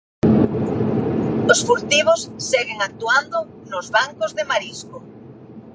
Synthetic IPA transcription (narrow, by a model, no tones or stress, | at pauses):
osfuɾt̪iβ̞osːeɣeŋak̚t̪uand̪ʊ | nozβaŋkozðemaɾisko